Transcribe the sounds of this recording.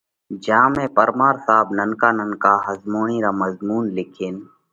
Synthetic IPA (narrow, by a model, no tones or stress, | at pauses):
d͡ʒãːmẽːpəɾmaːɾsaːbnənkaːnənkaːɦəzmoːɳĩːɾaːməzmuːnlɪkʰeːn